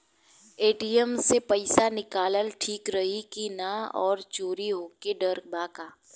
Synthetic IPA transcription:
eːʈijəmsepɐɪsanɪkaːləlʈʰiːkɾɐɦikinaɔːɾt͡ʃoːɾiɦoːkeɖɐɾbaːkaː

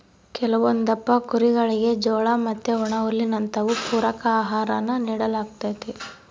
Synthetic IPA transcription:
kɛlɐʋond̪ɐpːɐkuɾiɡɐɭiɡe̞d͡ʒɔːɭɐmɐt̪ːeɔɳɐolːinɐnt̪ɐʋupuːɾɐkɐaːɦaːɾɐnːɐniːɽɐlaːɡ̚t̪ajt̪e

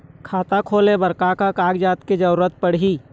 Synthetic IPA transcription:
kʰaːt̪akʰoːlẽbəɾkakakaːɡd͡ʒaːt̪ked͡ʒɐɾuɾət̪̚pəɽɦi

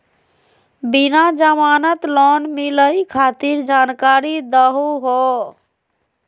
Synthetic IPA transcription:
binad͡ʒəmanət̪lɔnmiləjkʰat̪iɾd͡ʒankaɾid̪əɦuɦɔ

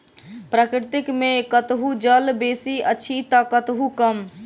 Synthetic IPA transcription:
pɾakɾɪt̪ɪkmẽkət̪ɦud͡ʒəlbeːsiəːt͡ʃʰit̪akət̪ɦukəm

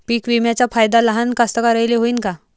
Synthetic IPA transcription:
piːkʋimjat͡ɕjafajd̪aləɦankast̪əkaɾəjleɦoiːnka

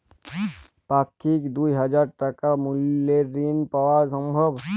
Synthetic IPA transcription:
pakʰːikd̪uiɦəd͡ʒaɾʈəkamuljeɾinpawasə̃mbʱəb

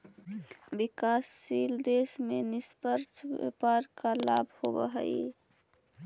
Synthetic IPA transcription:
bikasːild̪esmenispəɾt͡ʃʰbḛpaɾkalabhobə̰ɦə̰j

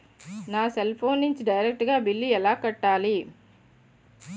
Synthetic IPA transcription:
naːselpʰoːniɲt͡ʃɖɐjɾek̚ʈɡaːbilːiɛlːaːkɐʈːaːli

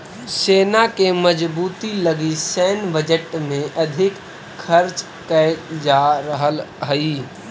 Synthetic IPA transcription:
seːnakeməd͡ʒbuːt̪iləɡisɛːnbəd͡ʒəʈmẽʔɐd̪ʱɪkʰ | ɐɾt͡ʃ | kəd͡ʒaɾəɦəlɦəiː

